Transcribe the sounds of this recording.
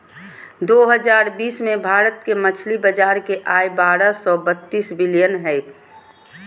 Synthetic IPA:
d̪oɦəd͡ʒaːɾbiːsmẽbʱaːɾət̪kemət͡ʃʰlibəd͡ʒaːɾkeʔaːjbaːɾəsɔbət̪ːiːsbɪlijənɦɛ

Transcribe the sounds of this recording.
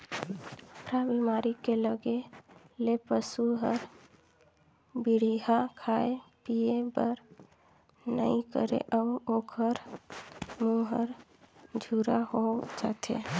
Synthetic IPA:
əpɾabimaɾikeləɡe | lepəsuɦəɾ | biɽ̤iɦakʰaepijebəɾ | nə̰ĩkə̰ɾḛʔaokʰəɾ | muɦəɾd͡ʒʱuɾaɦod͡ʒat̪ʰḛ

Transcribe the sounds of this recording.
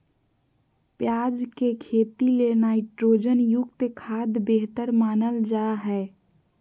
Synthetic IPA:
pjad͡ʒkekʰet̪ilenaiʈɾoːd͡ʒənjʊkt̪kʰad̪beɦt̪əɾmaːnəld͡ʒaɦɛ

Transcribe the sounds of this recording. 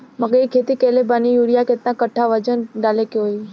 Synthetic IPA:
məɡejkʰet̪ikelebanijuɽijaket̪nãkəʈʰːaʋəd͡ʒənɖalekeɦoi

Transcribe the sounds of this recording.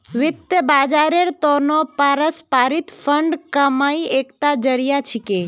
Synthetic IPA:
ʋɪt̪ːjəbaːd͡ʒaːɾeɾt̪ɔnɔpaːɾəspaːɾɪt̪pʰəɳɖkəmaːieːkt̪ad͡ʒəɾijat͡ʃʰike

